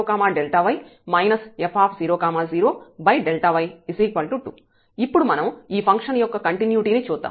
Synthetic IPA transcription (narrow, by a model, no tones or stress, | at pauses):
oːkaːmaːɖelʈaːʋɐjmɐjnɐsepʰaːpʰziːɾoːkaːmaːziːɾoːbɐjɖelʈaːʋɐjisiːkʋɐlʈuʈṵː | ipːuɽumɐnɐmiːpʰɐŋkʂɐnjɔkːɐkɐɳʈinjuːʈiːniːt͡ʃuːd̪ːa̰ːm